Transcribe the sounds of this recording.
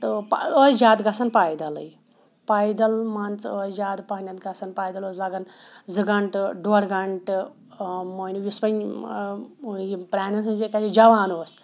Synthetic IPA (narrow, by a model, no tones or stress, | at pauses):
t̪ɨpod͡ʒaːd̪ɡɐsɐnpaːjd̪ɐlɨ̰j | paːjd̪ɐlmant͡soːd͡ʒaːd̪pɐɦnʲɐt̪ɡɐsɐnpaːjd̪ɐloːslɐɡɐnzɨɡɐɳʈɖoɽɡɐɳʈɨ | mojnujuspɐɲ | jpɾʲaːnɐnʰɨnd͡ʒikat͡ʃid͡ʒɐʋaːnoːs